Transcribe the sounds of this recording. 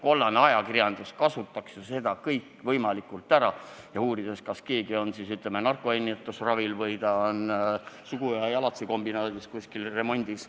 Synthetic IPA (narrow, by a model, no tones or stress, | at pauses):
ko̞lːɑneɑjɑkirjɑnd̪̥uskɑsut̪ˑːɑksjɑse̞d̪̥ɑkɤjkːˑvɤjmɑlikːˑult̪ːˑæɾɑ | jɑuːɾid̪̥e̞skɑske̞ːɡio̞nsiːsyt̪ˑlemːenɑrkˑoenʲːit̪ːˑusrɑvilvɤjt̪ɑonsuɡ̥ujɑjɑlɑt̪siko̞mbinɑːd̪̥iskusʲkilre̞mo̞nʲd̪̥is